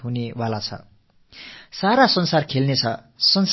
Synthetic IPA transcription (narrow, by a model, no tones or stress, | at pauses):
ɦunewalat͡sʰʌ̰ | saɾasʌnsarkʰelnet͡sʰʌ | sʌns